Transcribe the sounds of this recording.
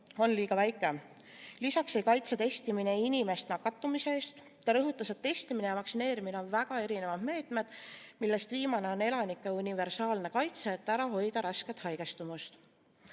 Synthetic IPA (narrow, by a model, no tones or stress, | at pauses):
o̞nliːɡ̥ɑvæjkːˑelisɑksejkɑjt̪set̪e̞st̪imine̞inʲime̞st̪nɑkːˑɑt̪ːˑumiseeːst̪ | t̪ːɑɾɤɦut̪ːˑɑse̞t̪ːe̞st̪iminejɑvɑksine̞ːɾimine̞o̞nvæɡ̥ɑe̞ɾine̞vɑd̪̥me̞ːt̪me̞d̪̥milːe̞st̪viːmɑne̞o̞ne̞lɑnikːˑe̞unʲive̞ɾsɑːlne̞kɑjt̪se̞ːt̪ːæɾɑɦo̞jd̪̥ɑɾɑske̞t̪ˑhɑjɡ̥e̞st̪umust̪